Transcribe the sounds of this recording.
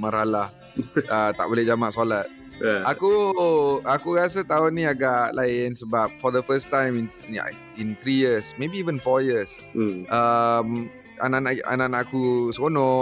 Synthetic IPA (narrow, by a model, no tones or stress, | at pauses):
maɾalah | ət̪a̰ʔbolɛhd͡ʒamaʔsolat̪̚ | ʔaku | akuɣas̬ət̪aonːĩaɡaʔlʔaɪnsəbap̚fɔd̪əfəstãjmin | a̰ | int̪ɾijəsmebiːvənfɔjəsʔəm | a̰nanaʔa̰nanaʔakuskonɔ̃